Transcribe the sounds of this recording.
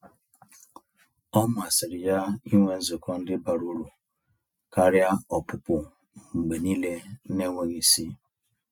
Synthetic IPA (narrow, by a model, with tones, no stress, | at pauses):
ɔ˦m˨a˨sɪ˨ɾɪ˨ja˦i˦ŋʷe˦n̩˦zʊ˨kɔ˦n̩˦dɪ˦ba˨ɾu˦ɾu˨ | ka˦ɾja˦ɔ˨pʊ˨pʊ˨ | ŋ͡mŋ͡m̩˨ɡ͡be˨ni˦le˦ne˦ŋʷe˦ɣi˦si˦